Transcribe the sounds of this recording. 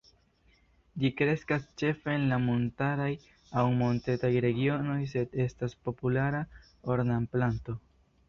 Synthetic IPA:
d͡ʒikɾe̞skast͡ʃe̞fe̞ːnlamo̞ntaɾaj | awmo̞nte̞tajɾe̞ɡio̞no̞jse̞de̞staspo̞pulaɾa | oɾnamplanto̞

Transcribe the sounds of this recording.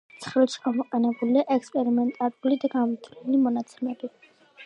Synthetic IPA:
t̪sʰχɾɛlˠʃi̥ɡamɔqʼɛnɛbuliaʔɛkspʼɛɾimɛnt̪ʼaɾulid̪aɡanvit̪ʰɾɛlimɔnat̪sʰɛmɛbi

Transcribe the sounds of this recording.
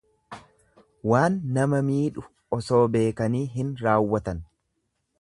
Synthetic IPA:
waːnːɐmɐmiːᶑʊ | ɔso̞ːbe̞ːkɐniːɦɪnɾaːwːɐt̪ɐn

